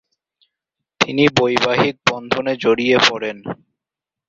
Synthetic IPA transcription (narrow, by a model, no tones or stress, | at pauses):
t̪inibojbaɦik̚bɔnd̪ʱoned͡ʑoɽijepɔɽen